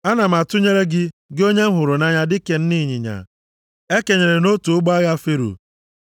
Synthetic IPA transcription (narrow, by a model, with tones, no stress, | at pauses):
a˦na˨m̩˨a˨tʊ˦ɲe˦ɾe˦ɡɪ˦ɡɪ˦o˦ɲe˦m̩˦ɦʊ˨ɾʊ˨na˦ɲa˦dɪ˦ke˨n̩˦ni˦˨ɲɪ̰˨ɲa̰˨ | e˦ke˨ɲe˨ɾe˨no˦tu˨ʊ˦ɡ͡ba˦ɣa˦fe˦ɾṵ˨